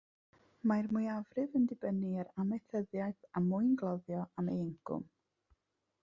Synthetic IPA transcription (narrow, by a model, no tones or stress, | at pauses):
majrmujavrɨvəndɪbəniəɾamɛθəðjajθamʊɨnɡlˠɔðjɔamejəŋkʰʊ̰m